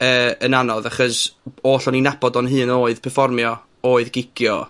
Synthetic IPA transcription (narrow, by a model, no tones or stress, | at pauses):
əːənanɔðaχɔsoːɬɔninabɔdɔnɦɨːnoːɨðpʰɛrfɔrmjɔ | oːɨðɡɪkjɔ